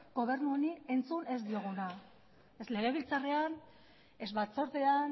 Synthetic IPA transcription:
ɡo̞β̞e̞ɾnuonie̞nt͡sune̞zd̪io̞ɣ̞una | esle̞ɣ̞e̞β̞ilt͡sarean | e̞zβat͡so̞ɾt̪ean

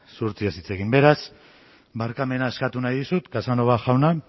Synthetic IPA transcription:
suɾt͡siasit͡se̞ɣimbe̞ɾas | baɾkame̞nae̞skat̪unajðisut̪kasano̞βaʝawna

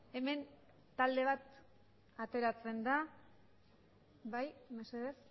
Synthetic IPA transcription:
e̞me̞n | t̪ald̪e̞β̞at̪ | at̪e̞ɾat͡se̞nd̪a | βajmeseðes

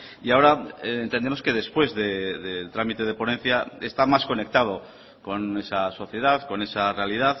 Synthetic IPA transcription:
iao̞ɾaent̪e̞nd̪e̞mo̞ske̞ðe̞spwe̞zðe̞ðelt̪ɾamit̪eð̞e̞po̞nẽ̞n̟θjaest̪amasko̞ne̞k̚t̪að̞o | ko̞ne̞saso̞θje̞ð̞aðko̞ne̞sare̞alið̞aθ

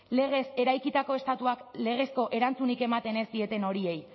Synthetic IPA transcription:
le̞ɣ̞e̞se̞ɾajkit̪ako̞est̪at̪uakle̞ɣ̞e̞sko̞ʔe̞ɾant͡sunike̞mat̪e̞ne̞sd̪ie̞t̪e̞no̞ɾie̞j

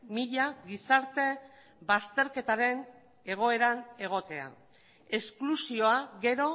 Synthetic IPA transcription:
miʎaɣisaɾt̪e̞ | βast̪e̞ɾke̞t̪aɾe̞n | e̞ɣ̞o̞e̞ɾane̞ɣ̞o̞t̪e̞a̰ | e̞sklusio̞aɣe̞ɾo̞

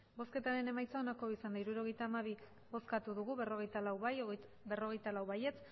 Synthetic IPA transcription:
bo̞ske̞t̪aɾe̞ne̞majt͡sao̞nako̞isand̪aiɾuɾo̞ɣ̞ejt̪aːmaβi | bo̞skat̪uðuɣuβero̞ɣejt̪alawβaj | be̞ro̞ɣ̞e̞jt̪alawβaje̞t͡s

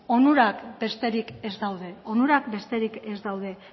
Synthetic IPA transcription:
onuɾakbe̞st̪e̞ɾike̞zd̪awðe̞onuɾakbe̞st̪e̞ɾikezd̪awð̞e̞

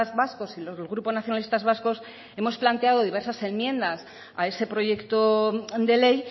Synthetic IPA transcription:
zβasko̞silo̞zðelɣ̞ɾuponaθjonalist̪azβasko̞s | e̞mo̞splant̪e̞að̞o̞ðiβe̞ɾsase̞mmjẽ̞nd̪as | ae̞se̞pɾo̞ʝe̞kt̪od̪e̞le̞j

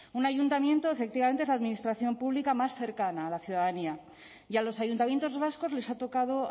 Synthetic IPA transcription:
unaʝunt̪amje̞nt̪o̞efe̞k̚t̪iβame̞nt̪ezlaðminist̪ɾaθjo̞mpuβlikamasθe̞ɾkanaːlaθjuðaðania | ialo̞sajunt̪amje̞nt̪ozβasko̞zle̞sat̪okaðo̞

